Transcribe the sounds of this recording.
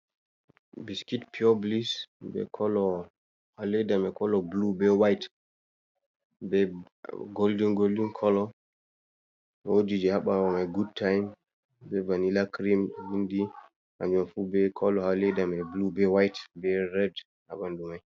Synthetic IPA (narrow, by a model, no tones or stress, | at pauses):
biskitpʰiɔblisbɛ̰kʰɔlɔ | halɛdamɛkɔlɔblubɛwajt | bɛ | ɡoldiŋɡoldinkʰɔlɔ | wodid͡ʒɛhaɓawɔmajɡud̚tʰːajm | bɛvanilakɾimwindi | ʔa̰d͡ʒɔnfubɛkʰɔlɔhalɛdamɛblubɛwajtbɛɾɛd | ha̰ɓandumaj